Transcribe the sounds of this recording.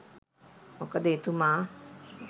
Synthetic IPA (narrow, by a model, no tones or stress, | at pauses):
mokəd̪eːt̪umaː